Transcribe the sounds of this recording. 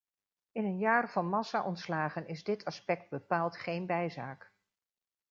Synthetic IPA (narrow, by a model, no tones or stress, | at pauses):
ɪnənjaːrv̥ɑnmɑsaʔɔntslaːχənɪzdɪtʰɑspɛk̚d̚bəpaːlˠtχejnbɛjzaːk